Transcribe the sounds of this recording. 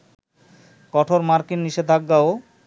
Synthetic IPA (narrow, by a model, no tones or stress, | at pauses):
kɔʈʰoɾmaɾkinːiʃed̪ʱaɡɡao